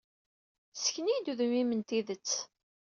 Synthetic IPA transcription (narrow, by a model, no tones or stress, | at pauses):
sə̥çənijd̪uðumimənt̪iðət͡sː